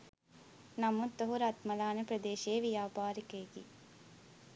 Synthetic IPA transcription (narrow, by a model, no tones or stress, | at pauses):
nɐmut̪ːoɦuɾɐt̪mɐlaːnepɾɐd̪eːʃeːʋijaːpaːɾikejɡi